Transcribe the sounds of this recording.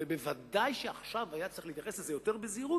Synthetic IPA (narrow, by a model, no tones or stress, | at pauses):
ebevad̪ajʃeaχʃavajat͡sʁiχliːt̪jaχe̞slezejo̞t̪eʁbeziʁu